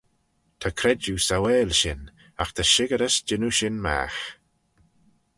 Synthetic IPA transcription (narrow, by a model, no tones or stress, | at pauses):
t̪ʰakʰɾɛd͡ʒusawɛːlʃɪn | axt̪ʰaʃɪɡəɾəsd͡ʒɪnuʃɪnma̰ːx